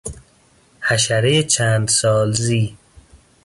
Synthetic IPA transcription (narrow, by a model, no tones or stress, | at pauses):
hæʃæɾejet͡ʃʰæːnd̪sɒːlziː